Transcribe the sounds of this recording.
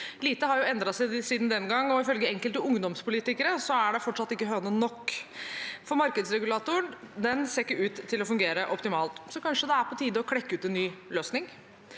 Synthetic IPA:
liːt̪əɦɑɾjʊɛnd̪ɾɑsæsiːd̪nd̪ɛnɡɑŋːɔɪfœlɡəɛŋkəlt̪əʊŋd̪ɔmspʰʊliːt̪ɪkəɾəsɔæɖɛfɔʈːʂɑt̪ːɪkːəɦœnənɔkː | fɔɾmɑɾkəd̪sɾɛɡʉlɑːt̪ʊəɳd̪ɛnseːɾɪkːəʉːt̪ʰːɪlɔfʉŋɡeːɾəʔɔpt̪ɪmɑːlt̪sɔkʰɑnʂəd̪ɛæɾpʰɔt̪ʰiːd̪əɔkʰɽɛkːəʉːt̪ɛnːyːløːsnɪŋ

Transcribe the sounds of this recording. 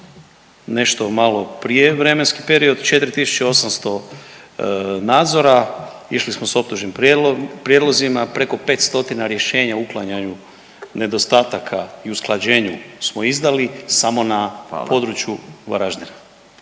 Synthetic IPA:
ne̞ʃt̪o̞malo̞pɾijeʋɾe̞menski̥pe̞ɾio̞d̪t͡ʃe̞t̪ɾit̪isu̥t͡ɕeo̞samst̪o̞ | naːd̪zo̞ɾaiʃlismo̞so̞p̚t̪uʒnimpɾje̞d̪lˠo̞zimapɾe̞ko̞pe̞ːt̪st̪o̞t̪inaɾje̞ʃe̞ːɲauklˠaɲaɲu | ne̞d̪o̞st̪aːt̪akʰaiusklˠad͡ʑe̞ːɲusmo̞izd̪alisamo̞napo̞d̪ɾut͡ɕjuʋa̰ɾaʒd̪ena

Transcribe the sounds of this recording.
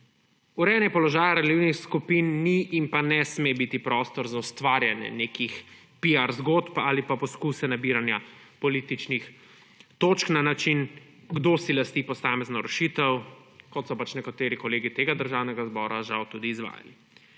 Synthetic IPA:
uɾɛnjɛpɔlɔʒaːjaɾɛliwnixskupinːiʔːmpanɛsmebit̪ipɾɔst̪ɔɾzaust̪ʋaːɾjanjɛ̰neːkix | piaɾzɡoːt̪paːlipapɔskusɛnabiɾanjapɔliːt̪it͡ʃnix | t̪oːt͡ʃknanat͡ʃin | ɡd̪osilast̪ipɔsaːmɛznɔɾɛʃit̪ɛwkɔt̪sɔpat͡ʃnɛkat̪eːɾikɔleːɡit̪eːɡad̪əɾʒaːwnɛɡazbɔːɾaʒawt̪uːd̪iːzʋa̰ːja̰li

